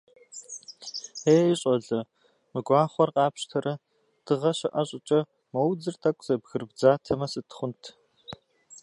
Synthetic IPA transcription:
eːɕʼɔɮɐ | mɨɡʷɑːχʷɔrqɑːpʃtʰɐrɐ | d̥ɨʁɐɕɐʔɐɕʼɪt͡ʃʼɐ | mɐwd͡zɨrtʰʼɐkʷʼz̥ɐbɣɨrbd͡zaːtʰɐmɐsɨtʰχʷʊntʰ

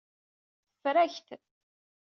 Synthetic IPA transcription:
θə̥fɾæçt̪

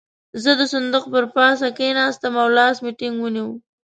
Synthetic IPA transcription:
zəd̪əsand̪ʊqpəɾpɑs̬akenɑst̪amawlɑːsmiʈɪŋɡwəniwəm

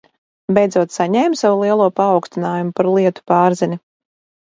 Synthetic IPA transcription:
bɛjd̪zuɔt̪saɲɛjmsawulˠiɛlˠuɔpaːwkst̪inaːjumupaɾlˠiɛt̪u̥paːɾzinʲi

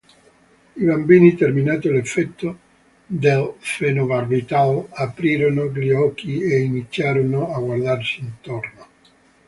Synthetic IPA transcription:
iβambiːnit̪erminat̪olefːɛt̪ːo | d̪elfenovarːit̪alapɾiːɾonoɡliɔkieinit̪sːjaːɾonoaɡward̪arsiːnt̪orno

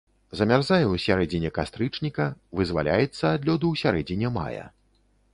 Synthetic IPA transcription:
zɐmʲarzajɛwsʲaɾɛd͡zʲinʲɛkast̪ɾɨt͡ʂnʲikɐvɨzva̰lʲa̰jɛt̪sːɐːd̪lʲɔd̪uwsʲaɾɛd͡zʲinʲɛma̰jɐ̰

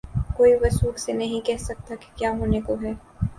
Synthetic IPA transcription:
koːiʋɐsuːksenɐɦĩkɛɦsɐk̚t̪aki̥kjaːɦoːnekoɦɛː

